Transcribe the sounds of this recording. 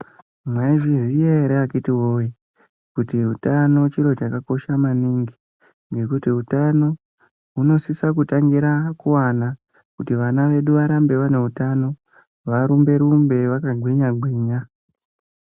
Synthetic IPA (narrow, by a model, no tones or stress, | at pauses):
mwaiʐizijeɾeakitiwo̞ji | kutiɦutano̞t͡ʃiɾo̞t͡ʃakako̞ʃamaniŋɡi | ŋɡe̞kutiɦutano̞ | ɦuno̞sisakutaŋɡiɾakuwana | kutiʋanaʋe̞ɗuʋaɾambe̞ʋane̞ɦutano̞ | ʋaɾumbe̞ɾumbe̞ʋakaɡʱwiɲaɡʱwiːɲa